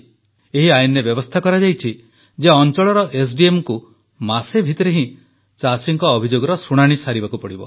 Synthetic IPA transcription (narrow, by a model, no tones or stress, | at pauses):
eɦiajnebjɔbɔst̪ʰakɔɾad͡ʒajt͡ʃʰi | d͡ʒeɔnt͡ʃɔɭɔɾɔʔes̬ɖiemɔku | masebʱit̪ɔɾeɦĩ | t͡ʃasiŋkɔːbʱid͡ʒoɡɔɾɔsuɽ̃aɽ̃isaɾibakupɔɽibɔ̰